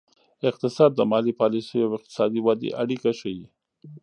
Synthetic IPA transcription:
ɪq̚t̪ɪsɑd̪ːəmɑlipɑlisəjawɪq̚t̪ɪ̥sɑd̪iwad̪ḛʔaɽikaʃəwi

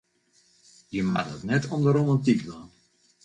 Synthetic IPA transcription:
jəma̰tətnɛtʰɔmdəɾomantikdan

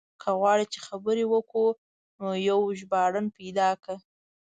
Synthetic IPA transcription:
kʰaɣwɑɽit͡ʃexabəɾewəku | nojawʒbɑɽənpajd̪ɑkə

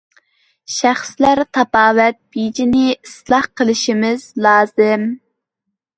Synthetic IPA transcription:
ʃæχslæɾt̪ʰɑpɑːwɛt̪̚b̥id͡ʒinɪislˠɑhqʰəlˠɪʃimɪzlˠɑːzɨm

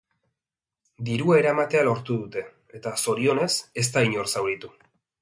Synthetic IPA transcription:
d̪iɾuaeɾamat̪e̞alo̞ɾt̪uðut̪e̞ | et̪aso̞ɾio̞ne̞se̞st̪aiɲo̞rsawɾit̪u

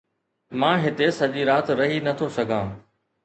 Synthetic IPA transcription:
mãːɦɪt̪esɐʄiɾaːt̪ɾɐɦinɐt̪ʰosɐɡʱãː

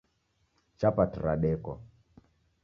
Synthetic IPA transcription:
t͡ʃapatɾa̰ɗɛkɔ

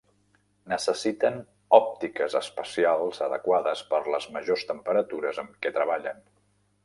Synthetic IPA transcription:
nəsəsit̪ən | ɔp̚t̪ikəzəspəsialˠzəðə̰kwaðəspəɾləzməʒost̪əmpəɾət̪uɾəzəmkɛt̪ɾəβ̞aʎən

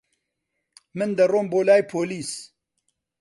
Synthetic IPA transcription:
mɨnd̪ɐroːmboːlaːjpʰoːliːs

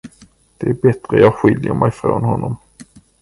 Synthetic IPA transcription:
d̪̥ɛæɾbɛt̪ɾəjɑːɡɧɪljəɾmɛjfɾoːnhɔnːɔm

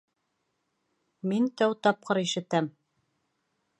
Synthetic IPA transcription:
mint̪æwt̪ɑp̚qɤɾiʃɘ̆t̪æm

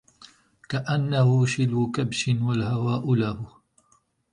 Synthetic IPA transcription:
kaʔanːahʊʃɪlʊkabʃɪnwalhawaːʔʊlahʊ

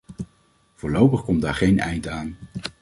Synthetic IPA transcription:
v̥ʊːɹlowpəχkɔmdaːɹχejnɛ̰jntaːn

